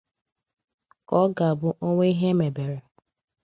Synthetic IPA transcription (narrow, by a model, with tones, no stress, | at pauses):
kɔ˦ɡa˨bʊ˦ʔo˦ŋʷe˦i˦ɦe˦me˨be˨ɾe˨